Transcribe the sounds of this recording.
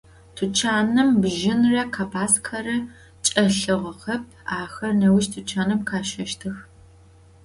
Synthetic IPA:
tʰut͡ʃʰaːnɨmbʒɪnrɐkʰaːbaːskʰɐrɨ | t͡ʃʼɐɬɨʁɐqɐp̚ʰaːxɐrnɐwɪʃtʰut͡ʃʰaːnɨmkʰaːʃɐʃtʰɨx

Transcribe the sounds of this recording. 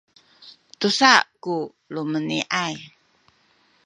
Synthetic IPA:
t̪usaʔku | luməniʔaj

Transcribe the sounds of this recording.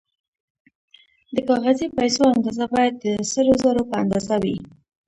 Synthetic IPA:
d̪əkɑɣazipajsoand̪ɑzabɑjad̪̚ːəsəɾozaɾopəand̪ɑzawi

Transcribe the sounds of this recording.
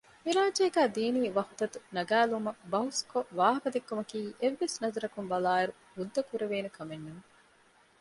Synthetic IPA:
miɾaːd͡ʒeːɡæːd̪iːniːʋɐhu̥t̪ɐt̪unɐɡæːlumɐbɐɦuskoʋaːɦɐkɐd̪ekːumɐkiːʔeʋːesnɐzɐɾɐkumbɐlaːiɾu | hud̪ːɐkuɾeʋeːnukʰɐmenːuŋ

